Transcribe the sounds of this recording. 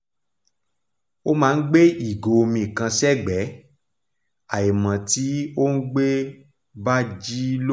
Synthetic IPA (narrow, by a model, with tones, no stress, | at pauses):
o˦mãː˦˧˦n̩˦ɡ͡be˦i˨ɡo˨o˧mĩ˧˨kã˧sɛ˦˨ɡ͡bɛ˨˦ | a˨e˨mã˨ti˨˦o˦n̩˦ɡ͡be˦ | ba˦d͡ʒi˦l